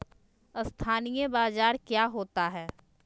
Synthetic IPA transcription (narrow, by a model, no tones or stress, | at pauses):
əst̪ʰaːnijebaːzaːɾkjaːɦoːt̪aɦɛː